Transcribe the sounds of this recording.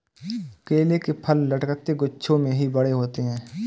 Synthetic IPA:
ɐkeːlekepʰəlːəʈkt̪eɡʊtːʃʰõmẽɦibəɽeɦoːt̪eɦɛ̃ː

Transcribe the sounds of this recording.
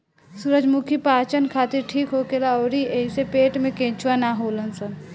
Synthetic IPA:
suɾəd͡ʒmukʰipaːt͡ʃənkʰaːt̪iɾʈʰiːkɦokelaɔːɾiʔəɪsepeːʈmẽkẽːt͡ʃwanaɦolənsən

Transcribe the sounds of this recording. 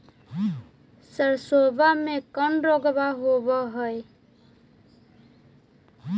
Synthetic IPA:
sʌɾsobamekʌnɾoɡbaɦobʌɦoj

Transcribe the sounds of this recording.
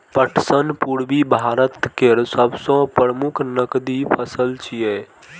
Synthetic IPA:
pəʈʰsənpuɾbibʱaɾət̪keɾsəbsɔ̃pɾɾəmukʰnəkd̪ipʰəsəlt͡ʃʰijɛ

